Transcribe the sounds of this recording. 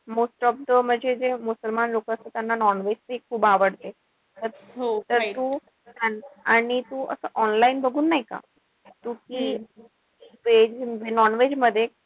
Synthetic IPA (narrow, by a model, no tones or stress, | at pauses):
mosʈɔb̚d̪əm̤əɳd͡ʑʱed͡zemusəlmanɾokəst̪ət̪janːanɔnʋed͡ʑt͡sekʰːuːbaʋəɽt̪e | t̪əɾt̪əɾt̪u | t̪anaɽ̃it̪uʔə̰səːʔɔnlainbəɡʱuːnːaɦika̰ | t̪ukiː | ʋed͡ʑʋenɔnʋed͡ʑməd̪ʱːje